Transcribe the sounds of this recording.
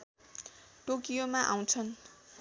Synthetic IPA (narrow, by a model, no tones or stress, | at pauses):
ʈokijomaʔaw̃t͡sʰʌn